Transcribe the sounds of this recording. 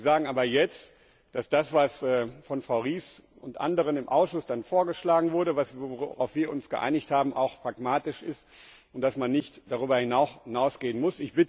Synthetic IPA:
zaːɡŋ̩ʔaːbɐjɛt͡st | d̥asd̥asv̥asɛːfɔnfʁ̥aʊʁiːs | ʊntʔa̰ndəʁ̞ənɪmʔa̰ʊsʃʊsd̥anfoːɐɡəʃlaːɡŋ̩vʊɐɾəvasooʁa̰ʊfv̥iːɐʔʊnsɡ̥əʔa̰ɪnɪçthaːbm̩ʔa̰ʊxpʁ̥akmaːtɪʃɪst | ʔʊnt̚d̥asmanːɪçtd̥aʁyːbɐhɪnanaʊsɡ̥eːənmʊsɪçb̥ɪt

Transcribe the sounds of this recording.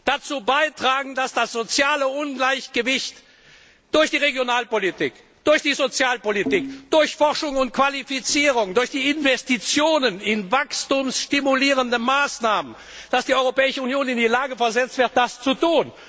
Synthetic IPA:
d̥at͡suːbaɪtʁ̥aːɡŋ̩d̥asd̥asz̥ot͡sjaːləʔʊnɡlaɪçɡ̥əvɪçt | d̥ʊɐçd̥iːʁeɡjonaːlpolitʰiːk | d̥ʊɐçd̥iːzot͡sjaːlpolitiːkd̥ʊɐçfɔʁʃʊŋʊntkv̥alifit͡siːʁʊŋdʊɐçd̥iːɪnvɛstit͡sjoːnənɪnvakstuːmsʃtimuliːʁ̞əndəmaːsnaːmən | d̥asd̥iːɔʏʁopɛːɪʃəunjoːnɪndiːlaːɡəfɛɐzɛt͡stv̥ɪɐt̚d̥ast͡sutuːn

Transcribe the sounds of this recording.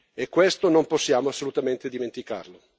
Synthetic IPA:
ekːwest̪onomposːjaːmoasːolut̪ament̪ed̪iment̪ika̰rlo

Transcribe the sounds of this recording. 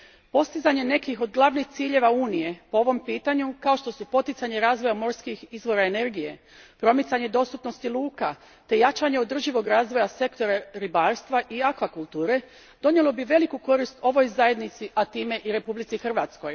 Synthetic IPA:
po̞st̪izaɲe̞ne̞kixo̞d̪ɡlˠaʋnixt̪siːʎe̞ʋauːnije̞po̞o̞ʋo̞mpiːt̪aɲukao̞ʃt̪o̞supo̞t̪it̪saɲe̞ɾaːzʋo̞jamo̞ɾskixizʋo̞ɾaene̞ɾɡije̞ | pɾo̞mit̪saɲe̞d̪o̞st̪upno̞st̪ilˠuːka | t̪e̞jat͡ʃaɲe̞o̞d̪r̩ʒiʋo̞ɡɾaːzʋo̞jase̞kt̪o̞ɾaɾibaːɾst̪ʋaʔiakʋakulˠt̪uːɾe̞ | d̪̥o̞nje̞lo̞biʋe̞likuko̞ɾist̪o̞ʋo̞jzaje̞d̪nit̪siʔat̪iːme̞ʔiɾe̞publit̪sixr̩ʋat̪sko̞j

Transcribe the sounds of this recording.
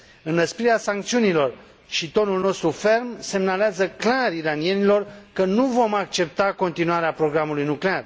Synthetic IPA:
ɨnːəspiɾeasaŋk̚t̪siunilo̞r | ʃit̪o̞nulno̞st̪ɾufe̞rmse̞mnaleazəklaɾiɾanie̞nilo̞rkənuvo̞mak̚t͡ʃe̞p̚t̪ako̞nt̪inuaɾeapɾo̞ɡɾamulujnuklear

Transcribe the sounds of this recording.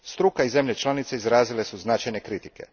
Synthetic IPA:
st̪ɾukaize̞mʎʲet͡ʃlˠanit̪seizɾaːzilesuznat͡ʃajne̞kɾit̪ike̞̰

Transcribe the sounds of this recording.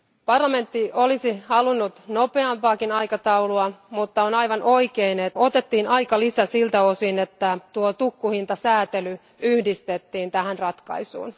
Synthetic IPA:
pɑrlɑme̞nt̪ːiʔolisihɑlunːut̪no̞peɑmpɑːkinɑjkɑt̪ɑuluɑmut̪ːɑonɑjʋɑnʔo̞ikeinetot̪e̞t̪ːiːnɑjkɑlisæsilt̪æosinet̪ːæt̪uot̪ukːuhint̪ɑsæːt̪ely | yhdist̪et̪ːiːnt̪æhænrɑt̪kɑ̰isṵːn

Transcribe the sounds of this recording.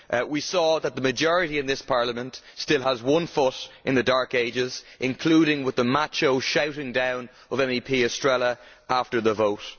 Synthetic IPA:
ʔwisɔːðət̪̚ðəməd͡ʒɔɹɨɾiɨ̃nðɪspʰɑɹləmə̃ntstɪlˠəzwʌ̃nfʊɾʔɪ̃nðədaɹkeɪd͡ʒɪz̥ʔɪ̃nkʰl̥uːɾɪ̃ŋwɪðəmat͡ʃoʊʃaʊɾɪ̃ŋdãʊ̃n | ʌvɛ̃mipʰiːəstɹ̥ɛlˠjə | ʔaftə˞ðəvoʊt

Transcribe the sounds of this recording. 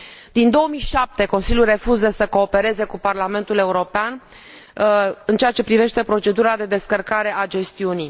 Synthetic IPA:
d̪̥ind̪o̞omiʃap̚t̪e̞ko̞nsilʲjulre̞fuzəsəko̞ːpe̞ɾe̞ze̞kuparlame̞nt̪ule̞uɾo̞pean | ɨnt͡ʃeat͡ʃe̞pɾive̞ʃt̪e̞pɾo̞t͡ʃe̞d̪uɾad̪e̞d̪e̞skərkaɾe̞ʔad͡ʒe̞st̪iuni

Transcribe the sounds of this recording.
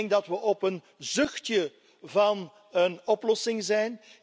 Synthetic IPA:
ŋɡ̚dɑtʋəʔɔpən | zʏxtjə | vɑn | ənɔplɔsɪŋzɛjn

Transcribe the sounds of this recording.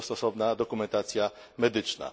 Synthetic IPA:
st̪ɔsɔbnad̪ɔkumɛnt̪at̪t͡sija | mɛd̪it͡ʃna̰

